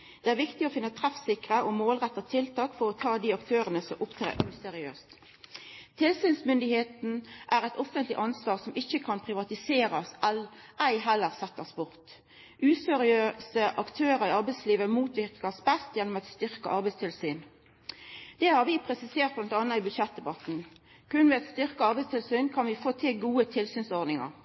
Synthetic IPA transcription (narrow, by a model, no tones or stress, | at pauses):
d̪̥ɛæːʁʋɪkt̪ɪɔfɪnːət̪ʰʁɛfsɪkʁəʔɔmoːlʁɛt̪ːɑt̪ʰɪlt̪ʰɑːkfɔʁɔt̪ʰɑːd̪iːɑkt̪ʰøːʁənəsɔmʔʊpt̪ʰʁḛːʉːsɛʁɪø̰ːst̪ | t̪ʰɪlsiːnsmʏnd̪ɪheːt̪n̩ʔæʁɛt̪ɔfənt̪lɪ̰ʔɑnsʋɑːʁsɔmɪçːəkʰɑnpʰʁɪʋɑt̪ɪseːʁɑsɛlʔæɪɦɛlːəʁsɛt̪ːəsbʊʁt̪ | ʔʉːsɛʁɪøːsəʔɑkt̪ʰøːʁəʁɪɑʁbɛɪsliːʋəmuːt̪ʋɪʁkəʁsbɛst̪jɛnːɔmɛt̪st̪ʏʁkə̰ʔɑʁbɛɪst̪ɪlsyːn | d̪̥ɛhɑʁʋɪpʰʁɛsɪseːʁt̪̚blɑnt̪ɑnːəibʉd̪ʃɛt̪̚d̪ɛbɑt̪n̩ | kʰʉnʋɛɛt̪st̪ʏʁkəɑʁbɛɪst̪ʰɪlsyːnkʰɑnʋɪfoːt̪ʰɪlɡuːət̪ʰɪlsyːnsɔʁd̪nɪŋə̰ʁ